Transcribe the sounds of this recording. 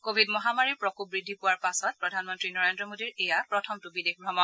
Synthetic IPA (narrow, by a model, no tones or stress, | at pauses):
kobʱidmɔɦamaɹiɹpɹɔkubɹidʱːipuwaɹpasɔt̚pɹɔdʱanmɔntɹinɔɹendɹɔmodiɹejapɹɔtʰɔmtubidexbʱɹɔmɔ